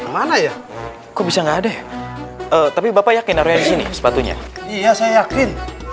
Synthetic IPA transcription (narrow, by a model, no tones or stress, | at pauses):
manaja | kobisaŋɡaːdaja | ət̪apibapajakɪnaɾuɲadisinḭsə̥pat̪uɲa̰ijasajajakɪn